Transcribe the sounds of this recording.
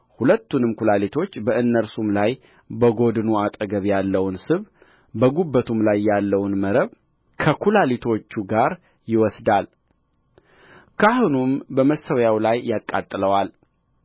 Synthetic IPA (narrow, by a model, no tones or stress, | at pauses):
hulət̪ːunɨmkʰulalit̪ʰo̞t͡ʃːbəɨnːəɾsumlaj | bəɡo̞d̪ɨnuat̪ʼəɡəβjalːəwnsɨβ | bəɡubːət̪ʰumlajːalːəwnməɾəβ | kʰəkʰulalit̪ʰo̞t͡ʃːuɡaɾ | jɪwɔsd̪al | kʰahunumbəməsəwjawlajːakʼːat̪ʼːɨləwal